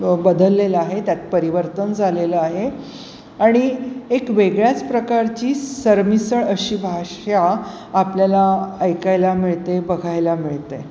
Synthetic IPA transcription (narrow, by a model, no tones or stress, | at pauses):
bəd̪əlːeləaɦet̪jat̪̚pəɾiʋəɾt̪ənd͡zʱaleləaɦe | aɽ̃iekʋeɡɭjat͡spɾəkaɾt͡ɕiːsəɾmisəɭəɕiːbʱaʂja | apljalaəjkajlamiɭt̪ebəɡʱajlamiɭt̪e